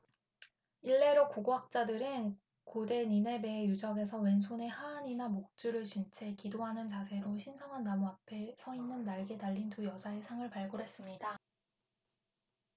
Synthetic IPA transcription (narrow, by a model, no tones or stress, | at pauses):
iɭːe̞ɾokoɡoak̚t͡ɕ͈adɯɾɯn | kode̞ɲine̞be̞ːjud͡ʑʌɡe̞sʰʌwe̞nsʰone̞haːɲinamok̚t͡ɕ͈uɾɯɭt͡ɕint͡ɕʰe̞kidoɦanɯnt͡ɕasʰe̞ɾoɕʰinsʰʌŋɦanːamuapʰe̞sʰʌinɯnːaɭɡe̞daʎːintujʌd͡ʑʰaesʰaŋɯɭpaɭɡoɾɦe̞s͈ɯmɲida